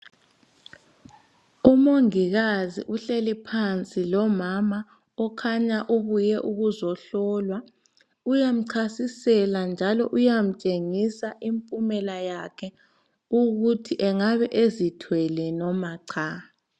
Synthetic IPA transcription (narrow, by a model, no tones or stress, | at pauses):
umoŋiɣazḭʔuɬelipʰant͡sʼilɔmama | ɔkʰaɲaʔuβujɛʔuɣuzɔɬɔlwa | ujam̩ǀʰasisɛland͡ʒʱalɔʔujam̩t͡ʃʼeŋisaʔimpʼumɛlajakʰɛ | uɣutʰiʔɛŋaβɛʔezitʰwɛlɛnɔmaǀʰa